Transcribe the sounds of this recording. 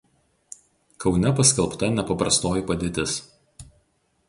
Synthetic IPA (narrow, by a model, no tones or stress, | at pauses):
kɒʊnʲɛpɐsʲkʲɛlˠpt̪ɐnʲɛpɐpɾɐst̪oːjipɐd̪ʲeːt̪ʲɪs